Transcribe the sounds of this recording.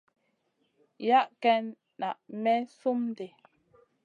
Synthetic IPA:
ja˦ʔkɛ˦n | na˨ʔmɛ˦su˦mde˨

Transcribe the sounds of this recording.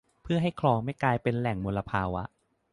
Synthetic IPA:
pʰɯ˥˩ɐɦa˥˩jkʰlɔː˧ŋma˥˩jklaː˧jpe˧nlɛ˨˩ŋmo˧lːa˧pʰaː˧wa˦˥ʔ

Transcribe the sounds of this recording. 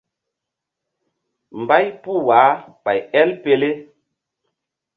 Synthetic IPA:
m˨ba˦jpu˦˨waː˨˦ɓa˨jɛ˦lpe˨le˦

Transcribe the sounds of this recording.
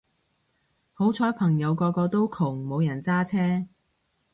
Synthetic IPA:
ho˨˥wt͡sʰɔː˨˥jpʰɐ˨˩ŋjɐ˨˧wkɔː˧kɔː˧t̪o˥wkʰʊ˨˩ŋmo˨˧wjɐ˨˩nt͡saː˥t͡sʰɛː˥

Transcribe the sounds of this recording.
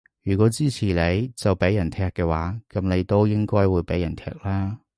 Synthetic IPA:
jyː˨˩kʷɔː˨˥t͡siː˥t͡sʰiː˨˩le˨˧jt͡sɐ˨wpe˨˥jːɐ˨˩nt̪ʰɛː˧kːɛː˧waː˨˥kɐ˨˧˥mne˨˧jt̪o˥wjɪ˥ŋkɔː˥jwuː˨˧jpe˨˥jɐ˨˩nt̪ʰɛ̰ː˧k̚laː˥

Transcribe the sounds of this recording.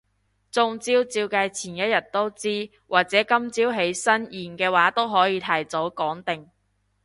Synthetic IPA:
t͡sʊ˧ŋt͡siː˥wt͡siː˧wkaː˧jt͡sʰiː˨˩njɐ˥t̚jɐ˨t̚t̪o˥wt͡siː˥ | wʔaː˨k̚t͡sɛː˨˥kɐ˥mt͡siː˥wɦe˨˥jsɐ˥njiː˨˩nkɛː˧waː˨˥t̪o˥wɦɔː˨˥jiː˨˧t̪ʰɐ˨˩jt͡so˨˥wkɔː˨˥ŋt̪ɪ˨ŋ

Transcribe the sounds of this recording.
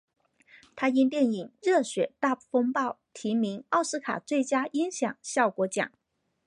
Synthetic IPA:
t̪ʰa˥i˥nt̪jɛ˥˩ni˨˩ŋɻɤ˥˩ɕɥɛ˨˩t̪a˥˧pu˥˩fɤ˥ŋpɑ˥˩ʊt̪ʰi˧˥mi˧˥ŋɑ˥˩ʊsɹ̩˥kʰa̰˨˩t͡swe˥˩ɪt͡ɕja˥i˥ŋɕjɑ̰˨˩ŋɕjɑ˥˩ʊkwɔ˧˥t͡ɕjɑ̰˨˩˦ŋ

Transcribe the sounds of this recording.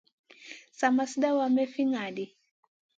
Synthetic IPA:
sa˨ma˨si˦da˦wa˨mɛ˦fi˦ŋa˨di˨

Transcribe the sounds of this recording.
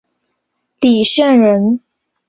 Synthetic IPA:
li˨˩ɕɛ˥˩nɻə˧˥n

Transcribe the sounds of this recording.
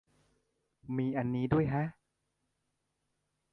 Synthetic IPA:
miː˧ʔa˧nːiː˦˥du˥˩əjkʰa˦˥ʔ

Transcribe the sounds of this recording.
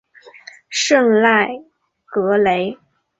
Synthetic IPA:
ʂɤ˥˧ŋla˥˩ɪ | kɤ˧˥le˧˥ɪ

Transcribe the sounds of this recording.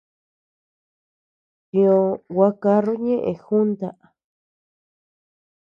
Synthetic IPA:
tĩ˧õ˧wa˧ka˧ru˦ɲẽ˦ʔẽ˧xu˦nt̪a˧ʔ

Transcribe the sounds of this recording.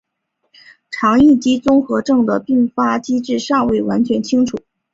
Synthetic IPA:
ʈ͡ʂʰɑ˧˥ŋi˥˩t͡ɕi˥t͡sʊ˥ŋxɤ˧˥ʈ͡ʂɤ˥˩ŋd̪ə˩pi˥˩ŋfa˥t͡ɕi˥ʈ͡ʂɻ̩˥˧ʂɑ˥˧ŋwe˥˩ɪwa˧˥nt͡ɕʰɥɛ˧˥nt͡ɕʰi˥ŋʈ͡ʂʰu˨˩˦

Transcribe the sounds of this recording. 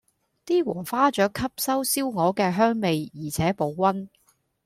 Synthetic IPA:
t̪iː˥wɔː˨˩ŋfaː˥t͡ʃœː˨˥kʰːɐ˥p̚sɐ˥wsiː˥wŋɔː˨˧kɛː˧ɦœː˥ŋme˨˧jjiː˨˩t͡sʰɛː˨˥po˨˧wːɐ˥n

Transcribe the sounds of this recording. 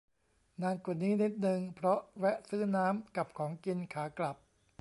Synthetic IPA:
naː˧nku˨˩niː˦˥ni˦˥t̪̚nɯ˧ŋpʰɾɔ˦˥ʔwɛ˦˥ʔsɯː˥˩naː˦˥mka˨˩p̚kʰɔː˩˦ŋki˧nkʰaː˩˦kla˨˩p̚

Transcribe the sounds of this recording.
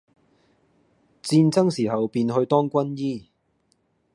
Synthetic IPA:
t͡siː˧nt͡sɐ˥ŋsiː˨˩ɦɐ˨wpiː˧nɦɵ˧ɥt̪ɔː˥ŋkʷɐ˥njiː˥

